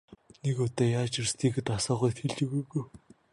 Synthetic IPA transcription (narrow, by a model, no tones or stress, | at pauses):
nekɔt̪ɔːjaːt͡ɕirst̪ʰiːkɘ̆t̪asɔːʁujt̪xeɮt͡ɕĭɣujɣuj